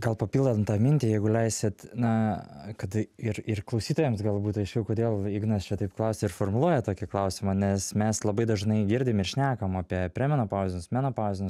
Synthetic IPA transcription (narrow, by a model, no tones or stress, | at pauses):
ɡɐlˠpɐpʲiːlˠd̪ɐmt̪ɑːmʲɪnʲt̪ʲijɛɪɡʊlʲɛɪsʲɪt̪nɐkɐt̪ɪɾɪrklˠɐʊsʲiːt̪oːjɛmsɡɐlˠbuːt̪ɐɪʃkʲɛʊkoːd̪ʲeːlˠiɡnɐst͡ʃʲɛt̪ɐɪpklˠɐʊsʲeɪɾfoːrmʊlˠuɔjɛt̪oːkʲɪklˠɐʊsʲɪmɐnʲɛsmʲɛslˠɐbɐɪd̪ɐʒnɐɪɡʲɪɾʲdʲɪmɪrʃʲnʲæːkɐmɑːpʲiɛpʲɾʲɛmʲɛnoːpɑːʋzd̪ʲɪnʲʊsmʲæːnoːpɑːzdʲɪnʲʊs